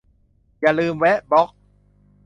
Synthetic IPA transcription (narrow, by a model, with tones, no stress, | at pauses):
jaː˨˩lɯː˧mwɛ˦˥ʔbɔ˦˥k̚